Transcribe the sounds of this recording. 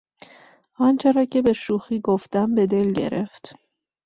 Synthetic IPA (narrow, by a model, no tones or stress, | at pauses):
ʔɒnt͡ʃʰeɾɒcʰe̞be̞ʃuːxiːɡoft̪æmbed̪e̞lɟe̞̰ɾe̞ft̪